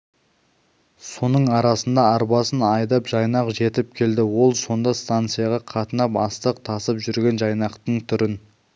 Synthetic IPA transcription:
so̞nəɴɑɾɑsənd̪ɑɑɾpɑsənɑjd̪ɑpʒɑjnɑqʒe̞t̪ɪp̚kʲʰe̞ld̪ɪwo̞lˠso̞nd̪ɑst̪ant̪sɨjɑʁɑqʰɑt̪ənɑpɑst̪əq̚t̪ʰɑsəpʒʏɾɡʲe̞nʒɑjnɑqt̪əɴt̪ʰʏɾɪn

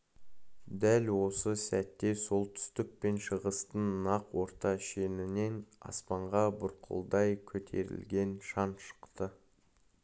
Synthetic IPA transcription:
d̪ælwo̞səsæt̪ːe̞so̞lˠt̪ʰʏ̥st̪ɪk̚pe̞nʃəʁəst̪ənːɑqwo̞ɾt̪ɑʃe̞nɪne̞nɑ̰spɑɴʁɑbʊɾqʰə̰lˠd̪ɑjkʲʰɵt̪ʰe̞̰ɾɪ̰lɡʲe̞nʃɑnʃə̥qt̪ə

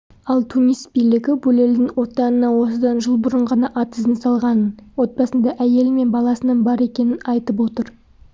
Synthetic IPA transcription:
ɑlˠt̪ʰunijst̪̚bijlɪɡʲɪbʊleld̪ɪŋwo̞t̪ɑnənɑwo̞səd̪ɑnʒəlˠbʊɾəɴʁɑnɑʔɑt̪əzənsɑlˠʁɑnənwo̞t̪̚pɑsənd̪ɑʔæje̞lɪme̞nbɑlˠɑsənəɴbɑɾe̞kʲe̞nɪnɑjt̪əpwo̞t̪əɾ

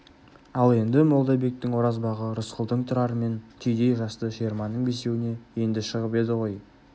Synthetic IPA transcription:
ɑlˠe̞nd̪ɪmo̞lˠd̪ɑbe̞k̚t̪ɪŋwo̞ɾɑzbɑʁəɾʊsqəlˠd̪əɴt̪ʰʊɾɑɾəme̞nt̪ʰʏjd̪e̞jʒɑst̪əʃeɾmɑnːəɴbese̞wɪne̞je̞nd̪ɪʃəʁəpe̞d̪ɪʁo̞j

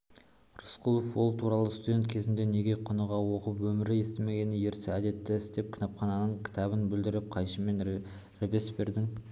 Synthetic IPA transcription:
rʊsqʰulˠofwo̞lˠt̪ʰuɾɑlˠəst̪ud̪ent̪kʲʰe̞zɪnd̪e̞ne̞ɡʲe̞jqʰʊnəʁɑwo̞qəpwɵmɪɾɪe̞st̪ɪme̞ɡʲe̞nɪje̞ɾsɪæd̪e̞t̪ːɪɪst̪e̞p̚kʰʲɪ̥nɑpχɑnɑnəɴkʲʰɪ̥t̪ʰɑβənbʏld̪ɪɾɪp̚qʰɑjʃəme̞n | ɾɪbe̞sbe̞ɾd̪ɪŋ

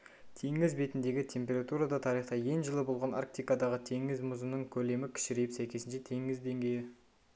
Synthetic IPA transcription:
t̪ʰe̞ŋɪzbe̞t̪ɪnd̪e̞ɡʲɪt̪ʰe̞mpʲe̞ɾat̪uɾad̪ɑt̪ʰɑɾiχt̪ɑje̞ŋʒəlˠəbo̞lˠʁɑna̰ɾk̚t̪ijkad̪ɑʁət̪ʰe̞ŋɪzmʊzənəŋkʲʰɵle̞mɪkʲʰɪ̥ʃɪɾejɪpsæjkʲe̞sɪnʃet̪ʰe̞ŋɪzd̪e̞ŋɡʲe̞jɪ

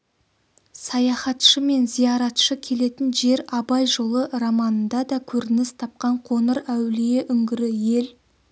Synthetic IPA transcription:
sɑjɑχɑt̪ʃəme̞nzijɑɾɑt̪ʃəkʲʰe̞le̞t̪ɪnʒe̞ɾɑbɑjʒo̞lˠəɾɑmɑnənd̪ɑd̪ɑkʲʰɵɾɪnɪst̪ʰɑp̚qɑɴqʰo̞nəɾæwlije̞ʔʏŋɡʲɪɾɪje̞l

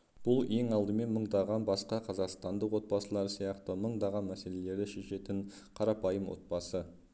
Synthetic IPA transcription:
b̥ʊlˠje̞ŋɑlˠd̪əme̞nməɴd̪ɑʁɑnbɑsqɑqʰɑzɑqst̪ɑnd̪əqwo̞t̪̚bɑsəlˠɑɾsijɑqt̪əməɴd̪ɑʁɑnmæse̞le̞le̞ɾd̪ɪʃe̞ʃe̞t̪ɪŋ | qʰɑɾɑpɑjəmwo̰t̪̚bɑsə

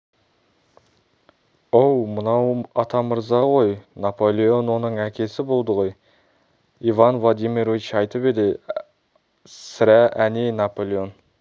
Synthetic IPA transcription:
owmənɑwɑt̪ʰɑməɾzɑʁo̞jnapolʲˠeo̞nwo̞nəɴækʲʰe̞sɪbo̞lˠd̪əʁo̞j | ivɑnvlˠad̪imiɾovit͡ʃɑjt̪əpe̞d̪ɪ | sɪɾæʔænenapolʲˠeo̞n

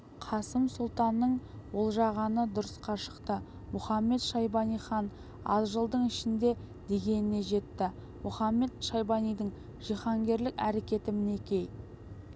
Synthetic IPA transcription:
qʰɑsəmsʊlˠt̪ɑnːəɴwo̞lˠʒɑʁɑnəd̪ʊɾəsqɑʃə̥qt̪ə | mʊχɑmːe̞t̪ʃɑjbɑnijχɑn | ɑ̰zʒəlˠd̪əɴɪʃɪnd̪e̞ | d̪e̞ɡʲe̞nɪne̞ʒe̞t̪ːɪ | mʊχɑmːe̞t̪ʃɑjbɑnijd̪ɪɴ | ʒ̥iχɑŋɡʲe̞ɾlɪkʲæɾekʲe̞t̪ɪmɪne̞kʲe̞j

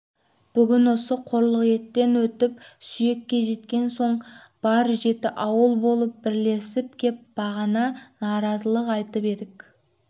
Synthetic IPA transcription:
b̥ʏɡʲɪnwo̞səqʰo̞ɾlˠəqje̞t̪ːe̞nwɵt̪ɪp̚sʏje̞kʲːe̞ʒe̞t̪kʲe̞nso̞ɴ | b̥ɑɾʒe̞t̪ɪʔɑwəlˠbo̞lˠəp̚bɪɾle̞sɪp̚kʲʰe̞p̚b̥ɑʁɑnɑnɑɾɑzəlˠəqɑjt̪əpe̞d̪ɪk

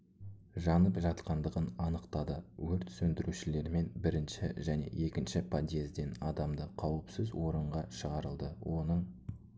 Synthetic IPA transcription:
ʒɑnəpʒɑt̪qɑnd̪əʁənɑnəqt̪ɑd̪əwɵɾt̪sɵnd̪ɪɾuʃɪle̞ɾme̞nbɪɾɪnʃɪ̰ʒæne̞̰je̞kʲɪnʃɪpʰad̪ʲe̞zd̪e̞nɑd̪ɑmd̪əqʰɑwəpsɪzwo̞ɾəɴʁɑʃəʁɑɾəlˠd̪əwʔo̞nəɴ

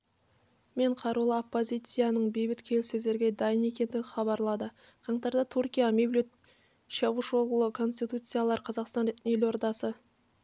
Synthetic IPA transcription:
me̞ɴqʰɑɾulˠəopːo̞zʲijt̪sɨjanəɴbe̞jbɪt̪kʲʰe̞lsɵzd̪e̞ɾɡʲe̞d̪ɑjəne̞kʲe̞nd̪ɪɡʲɪχɑβɑɾlˠɑd̪ə | qʰɑɴt̪ɑɾd̪ɑt̪ʰuɾkʲijamʲeblʲut̪ | ʃɑvuʃolˠʁəlˠəkʰo̞nsʲt̪ʲijt̪ut̪sɨjalˠɑɾqʰɑzɑqst̪ɑnelo̞ɾt̪ɑsə

